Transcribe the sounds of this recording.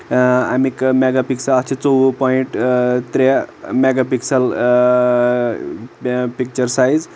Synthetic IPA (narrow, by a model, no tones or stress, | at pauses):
a̰mikmeɡapiksələt͡ʃʰit͡sowpɔiɳʈt̪ɾemeɡapiksəl | pik̚t͡ʃəɾsajz